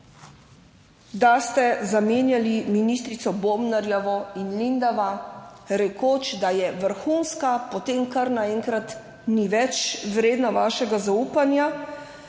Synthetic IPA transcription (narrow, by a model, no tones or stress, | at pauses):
d̪ast̪ɛzameːnjaliminist̪ɾit̪sɔboːmnaɾjɛʋɔinlind̪aʋaɾɛkoːt͡ʃd̪ajɛʋəɾxuːnskapɔt̪emkaɾnaɛːŋkɾat̪ | niʋɛt͡ʃʋɾeːd̪naʋaːʃɛɡazauːpanja